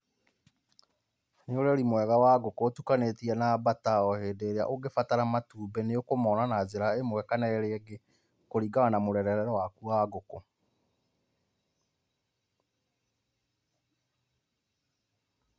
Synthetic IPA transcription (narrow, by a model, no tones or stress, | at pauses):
neoɾɛɾimwɛɣawaɡokoːtukanetiɛnabataɔheːdeːɾea̰ʔoɡefataɾamatuːbɛneokomɔnanazeɾaemwɛkanɛeɾeɛɡe | koɾiɡaɣanamoɾɛɾɛɾɛɾɔwakuaɡoko